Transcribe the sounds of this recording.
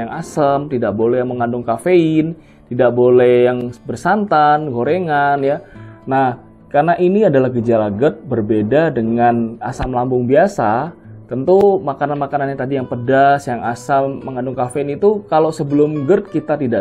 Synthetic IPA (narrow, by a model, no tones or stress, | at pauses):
aŋʔasəmt̪idaʔ̚bolɛhjaŋməŋandʊŋkafeɪn | t̪idaʔ̚bolɛhjaŋbərsant̪anɡoɾeŋanjanah | karnaʔiniadalahɡəd͡ʒalaɡərt̪̚bərbedadəŋanasamlambʊŋbiasat̪ənt̪umakananmakananɲat̪adijaŋpədasjaŋasamːəŋandʊŋkafeɪnit̪ukalosəbəlʊmɡərt̪̚kit̪at̪ida